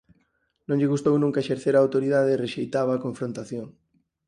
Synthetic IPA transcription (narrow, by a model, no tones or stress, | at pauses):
nõɲʎɪɣust̪ownũŋkaeʃeɾθeɾaːwt̪oɾiðaðereʃejt̪aβaːkõɱfɾõnt̪aθjoŋ